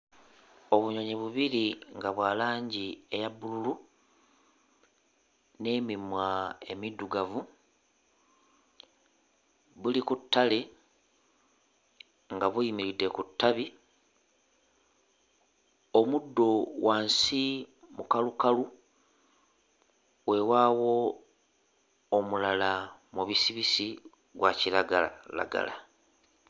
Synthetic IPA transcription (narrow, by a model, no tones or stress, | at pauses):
o̞βuɲoɲiβuβiɾiŋɡaβwaːlaːɲɟie̞jabːululu | ne̞ːmimwae̞midːuɡavu | βulikutʰːale̞ | ŋɡaβujimiɾidːe̞kutːaβi | omudːo̞wʔaːnsimukalukalu | we̞waːwo̞ | mulalamuβisiβisi | ɡwacilaɡaala̰ɡa̰la